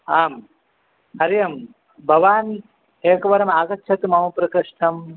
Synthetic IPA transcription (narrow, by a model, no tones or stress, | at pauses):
aːm | ɐɾjɐm | bʱɐʋaːn | eːkɐʋɐɾɐmaːɡɐtːʃʰɐt̪umɐmɐpɾɐkɐʂʈʰɐm